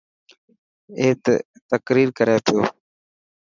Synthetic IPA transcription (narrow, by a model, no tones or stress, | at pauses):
eːt̪t̪əkɾiːɾkəɾjaːt̪ʰɪjo̰ː